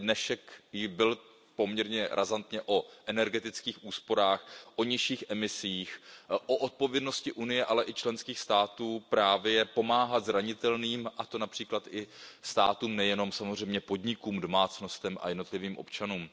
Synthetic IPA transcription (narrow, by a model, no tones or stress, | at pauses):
dnɛʃɛkjɪbɪl | po̞mɲɛɾɲɛɾʔazant̪ɲɛʔo̞ʔɛnɛɾɡɛt̪ɪt͡skiːxʔuːspo̞ɾaːxʔoɲɪʃiːxʔɛmɪsiːxʔo̞ʔot̪̚povjɛdno̞scɪʔunɪjɛʔalɛʔɪt͡ʃlɛnskiːxst̪aːt̪uːpɾaːvjɛpo̞maːɦat̪zɾaɲɪt̪ɛlniːmʔat̪o̞napr̝̥iːklat̪ʔɪst̪a̰ːt̪uːmnɛjɛno̞msamozr̝ɛjmɲɛpo̞dɲɪkuːmdo̞maːt͡sno̞st̪ɛmʔa̰jɛdno̞t̪lɪviːmʔo̞̰pt͡ʃanuːm